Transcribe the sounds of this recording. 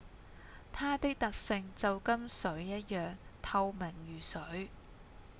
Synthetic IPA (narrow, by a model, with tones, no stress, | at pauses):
t̪ʰaː˥t̪ɪ˥k̚t̪ɐ˨k̚sɪ˧ŋt͡sɐ˨wkɐ˥msɵ˨˥ɥjɐ˥t̚jœː˨ŋt̪ʰɐ˧wmɪ˨˩ŋjyː˨˩sɵ˨˥ɥ